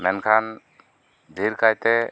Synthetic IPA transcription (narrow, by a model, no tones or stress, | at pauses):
mɛnkʰan | d̪ʱiɾkajt̪ɛ